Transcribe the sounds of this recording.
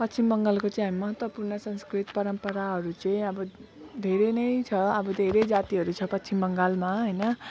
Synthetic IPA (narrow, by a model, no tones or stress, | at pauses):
pʌtːt͡sʰimbʌŋɡalkot͡sʌ̃j̃ɦamimʌɦʌt̪wʌpurnʌsʌnskrit̪pʌɾʌmpʌɾaɦʌɾut͡sʌĩʌbʌd̪ʱeɾenʌjt͡sʰʌʌbʌd̪ʱeɾed͡zat̪iɦʌɾut͡sʰʌpʌtːsʰimbʌŋɡalmaɦʌjnʌ